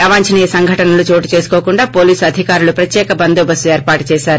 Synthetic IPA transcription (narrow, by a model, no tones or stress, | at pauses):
ɐʋaːɲt͡ʃɐniːjɐsɐŋɡʱɐʈɐnɐlut͡ʃo̞ːʈit͡ʃe̞ːsu̥koːkuɳɖaːpo̞ːliːsɐd̪ʱikaːɾulupɾɐt̪jɛːkɐbɐnd̪oːbɐsueːɾpaːʈu̥t͡ʃɛːsaːɾu